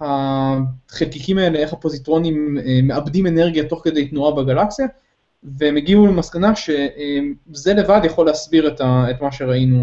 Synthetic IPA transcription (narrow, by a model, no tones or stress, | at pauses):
ha | χelkikimae̞leeχhapo̞zit̪ʁo̞nimeːe̞abd̪ime̞ne̞ʁɡjato̞χke̞d̪e̞jt̪nuabeɡalaksija | veemeɡiulemaskanaʃe̞ʔemze̞le̞vad̪jaχo̞lːeɦasbiʁet̪aetmaʃeʁainu